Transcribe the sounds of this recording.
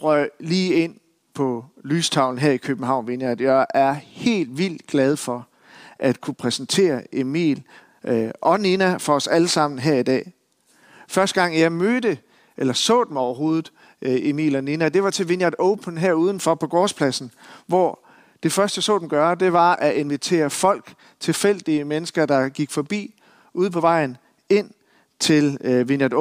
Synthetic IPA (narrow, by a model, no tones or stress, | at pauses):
ʁœliːe̝n̰ | pʰɒ̽lyːst͡sʰɑ̈ʊln̩ɦeɐ̰ikʰøb̥m̩ɦɑ̈ʊ̰nʋe̝njɑd̥jɑɪʔæɐhe̝̰ːld̥ʋil̰d̥ɡ̥læð̞ˠfɒ̽ | ʔæd̥kʰupʰʁɛsn̩t͡sʰe̝̰ːɐe̝mḭːl | ʔɒ̽ninæfɒ̽ɒ̽sæləsɑ̈m̰n̩ɦeɐ̰id̥ɛ̰ː | fɶɐsd̥əɡ̥ɑ̈ŋ̰jɑ̈ɪmød̥ə | ʔelɐsɔ̰̽ːd̥emɒʊɐɦo̝ːð̩ˠ | ʔe̝mḭːlɒninæd̥e̝ʋɑ̈t͡sʰe̝ʋinjɑd̥oʊpʰn̩ɦæɐ̰uːð̞ˠn̩fɒpʰɒ̽ɡ̥ɒːspʰlæsn̩ʋɒ | d̥e̝fɶɐsd̥jɑsɔ̰̽ːd̥emɡ̥ɶːɐd̥e̝ʋɑ̈ʔæʔe̝nʋit͡sʰe̝̰ːɐfɒ̽l̰ɡ̥ | t͡sʰe̝fel̰d̥iəmenəsɡ̥ɐd̥ɑ̈ɡ̥iɡ̥fɒ̽b̥ḭː | uðˠpʰɒ̽ʋɑ̈ɪ̰n̩ | e̝n̰ | t͡sʰe̝lʋinɑd